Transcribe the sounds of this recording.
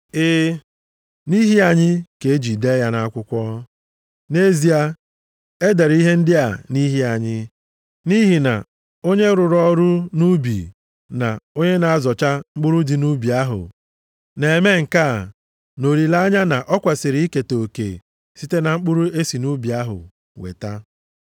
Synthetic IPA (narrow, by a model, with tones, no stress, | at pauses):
ɪː˦ | ni˦ɦi˦a˨ɲɪ˦ke˨e˦d͡ʒi˨de˦ja˦na˦a˦kʷʊ˦kʷɔ˦ | ne˦zi˨a˦ | e˦de˨ɾi˦ɦe˦n̩˦dɪ˦a˨ni˦ɦi˦a˨ɲɪ˦ | ni˦ɦi˨na̰˨ | o˦ɲe˦ɾʊ˨ɾɔ˦ɾʊ˦nu˦bḭ˨ | na˨o˦ɲe˦na˨a˦zɔ˨t͡ʃa˦ŋ͡m̩˦k͡pʊ˦ɾʊ˦dɪ˨nu˦bi˨a˦ɦʊ̰˨ | ne˨e˨me˦ŋ̩˨ka˦˨ | no˨ɾi˨la˦ɲa˦na˨ʔɔ˦kʷa˨sɪ˨ɾi˨˦i˦ke˨to˨kḛ˨ | si˦te˦na˨ŋ͡m̩˦k͡pʊ˦ɾu˦e˦si˨nu˦bi˨a˦ɦʊ̰˨ | wḛ˨ta˦